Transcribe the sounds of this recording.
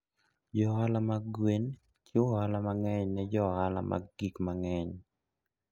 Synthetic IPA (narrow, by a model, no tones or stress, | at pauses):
d͡ʒɔalamaɡwen | kjoalamaŋɛɲnɛd͡ʒɔhala̰ma̰ɡikmaŋɛɲ